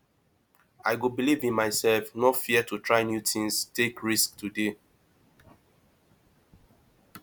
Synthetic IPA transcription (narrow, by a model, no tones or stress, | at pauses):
aɪɡobilivĩnmaɪsɛlfnɔfiɛtutʰɹaɪnjutʰĩŋstekɹisk̚tude